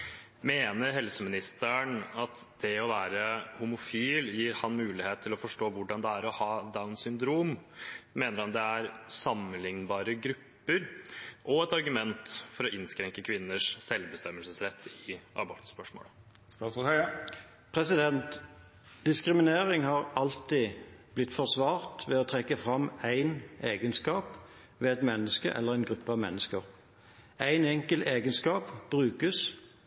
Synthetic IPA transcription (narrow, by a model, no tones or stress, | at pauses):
meːnəɾɦɛlsəmɪnɪst̪əɳɑt̪d̪̥ɛɔʋæːɾəhʊmʊfiːljiːɾhɑnmʉːlɪheːt̪t̪ʰːɪlɔfɔʂʈoːʋʊɖɑnd̪ɛæɾɔhɑːd̪ɑːɛnsʏnd̪ɾuːmmeːnəɾhɑnd̪ɛæɾsɑmənlɪŋnbɑːɾəɡɾʉpːəɾʔɔɛt̪ɑɾɡʉmɛnt̪fɔɾɔʔɪnskɾɛŋkəkʰʋɪnːəʂsɛlʋbəst̪ɛmːəlsəsɾɛt̪ʰːɪʔɑ̰bɔɾt̪spœʂmo̰ːlə | st̪ɑsɔh | pʰʁɛsɪd̪ɛnt̪ | d̪̥ɪskʁɪmɪneːʁɪŋhɑːʁɑlt̪iːb̥lɪt̪ːfɔʁsʋɑːʁt̪ʋɛoːt̪ʰʁɛkːəfʁɑmæɪnʔeːɡənskɑːp | ʋeːɛt̪mɛnːəskəʔɛ̰lːəʁæɪnɡʁʉpːəɑʋmɛnːəskəʁ | ʔæɪnɛŋkəlt̪eːɡənskɑːpb̥ʁʉːkəs